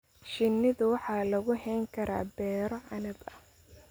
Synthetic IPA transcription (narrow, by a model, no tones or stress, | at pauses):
ʃɪnːɪðʊwɑħɑːlɐɣʊɦɛjŋkʰɐɾʔa̰ːbɛːɾɔʕɑnɐbɐ